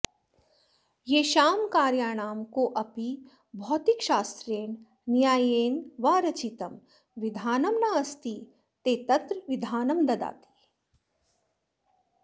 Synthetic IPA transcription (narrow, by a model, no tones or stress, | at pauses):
jeːʃaːmkaːɾjaːɽ̃aːmkoʔɐpi | bʱɔːt̪ɪkʃaːst̪ɾeːɳ | njaːjeːnʋaːɾɐt͡ʃiːt̪ɐm | ʋɪd̪ʱaːnɐmnaːɐst̪i | t̪eːt̪ɐt̪ɾʋɪd̪ʱaːnɐmd̪ɐd̪a̰ːt̪i̥ː